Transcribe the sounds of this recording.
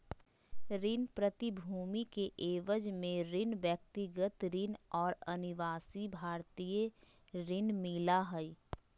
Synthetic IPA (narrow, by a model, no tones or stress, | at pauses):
ɾɪnpɾət̪ibʱuːmikeʔeːʋəd͡ʒmẽɾɪnʋjək̚t̪ɪɡət̪ɾɪnɔːɾɐnɪʋaːsibʱaːɾt̪ije | ɾɪnmɪːlaɦɛi